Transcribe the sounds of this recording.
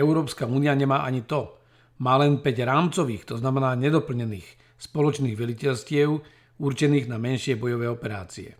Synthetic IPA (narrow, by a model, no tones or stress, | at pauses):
ɛʊɾɔːpskauːniaɲɛmaːʔaɲit̪ɔ | maːlɛnpɛɟɾaːmt͡sɔʋiːxt̪ɔznamɛnaːɲɛd̪ɔpl̩ɲɛniːx | spɔlɔt͡ʃniːɣʋɛlicɛʎscɪɛʊ | uɾt͡ʃɛniːɣnamɛnʃɪɛbɔjɔʋɛːɔpɛɾa̰ːt͡siɛ̰